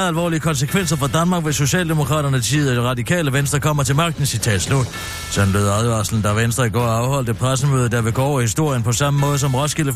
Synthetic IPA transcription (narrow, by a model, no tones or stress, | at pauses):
ælʋɒ̰ːliəkʰɒ̽ns̬əkʰʋen̰sɐfɒd̥ænmɑ̈ɡ̥ʋeso̝ɕɛ̰ːld̥e̝mo̝kʰʁɑ̰̈ːɾɐnət͡sʰḭːð̩ˠɒdiʁɑ̈d̥ikʰɛ̰ːləʋensd̥ʁɐkʰɒ̽m̰ɐt͡sʰe̝lmɑ̈ɡ̥̚d̥n̩sit͡sʰɛ̰ːd̥slod̥ | sɒ̽nb̥øðˠðˠʋɑ̈ːsln̩d̥ɑʋensd̥ʁɐiɡ̥ɒ̰ːɑ̈ʊhɒ̽l̰d̥əpʰʁasəmø̰ːðˠɐd̥ɑʋe̝ɡ̥ɔɒʊɐhisd̥o̝ɐ̰jənpʰɒ̽sɑ̈məmɔ̽ːð̞ˠəsɒ̽mʁɒsɡ̥elə